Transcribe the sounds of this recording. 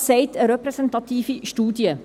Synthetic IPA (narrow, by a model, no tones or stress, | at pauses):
sɛjtəɾəprɛsɛntɑtiːfistuːdjə